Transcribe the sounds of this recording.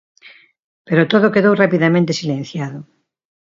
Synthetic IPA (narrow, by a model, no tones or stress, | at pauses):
peɾot̪oðokeðowrapiðamẽnt̪esilẽn̟θjaðʊ